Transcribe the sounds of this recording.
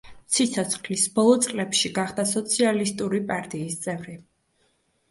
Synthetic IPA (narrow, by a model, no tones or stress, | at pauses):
t̪sʰit̪sʰɔt̪sʰχlisbɔlˠɔt̪sʼqʼlɛpʃiɡaχd̪asɔt̪sʰialist̪ʼuɾipʼaɾt̪ʼiːst̪sʼɛvɾi